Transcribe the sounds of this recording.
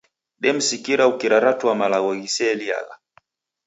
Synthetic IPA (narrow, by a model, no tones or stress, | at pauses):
ɗɛm̩sikiɾaukiɾaɾatuamalaɣɔɣisɛlia̰la̰